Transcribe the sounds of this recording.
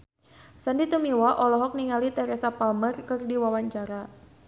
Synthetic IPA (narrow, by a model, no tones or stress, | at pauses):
sandit̪umiwaʔɔlɔɦɔk̚niŋalit̪ɛɾɛsapalmərkɨrdiwawaɲt͡ʃaɾa